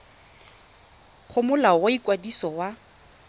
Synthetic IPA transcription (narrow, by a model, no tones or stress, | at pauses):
χʊmʊlawoikʼwadisɔwa